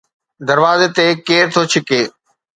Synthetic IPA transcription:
d̪əɾʋaːzeːt̪eːkeːɾt̪ʰoːt͡ʃʰɪkeː

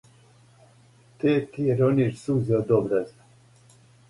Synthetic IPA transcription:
t̪ʰet̪ʰiɾoniɾsuːzjɔd̪ɔbɾɛz

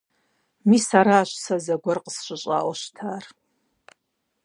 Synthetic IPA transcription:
misaɾaːʃʷsazaɡʷarqʼəsɕʷʼɨɕʼa̰ːwaʃʷtʰaːr

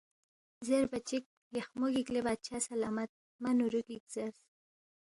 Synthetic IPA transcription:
zeɾbat͡ʃik̚ | jaxmʊɡiklebad̪̚t͡ʃʰasalaːmat̪̚ | manuɾuɡikz̥aɾs

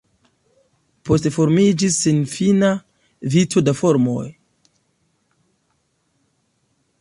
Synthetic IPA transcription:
pʰo̞stefo̞ɾmid͡ʒisːenfina | vitʰo̞dafo̞ɾmo̞̰j

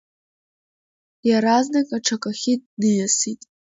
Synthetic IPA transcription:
jaɾaznakʼaʈ͡ʂʰakʼaxʲid̚nɨjasitʼ

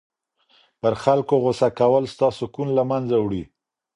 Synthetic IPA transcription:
pəɾxalkoɣʊsakawəlst̪ɑsokunlamanzawɽi

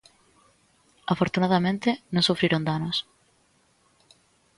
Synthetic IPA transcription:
afoɾt̪unaðamẽnt̪ɪnõŋsufɾiɾõnd̪anos

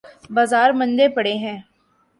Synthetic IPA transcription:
baːzaːɾmɐ̃nd̪epɐɽeɦɛ̃ː

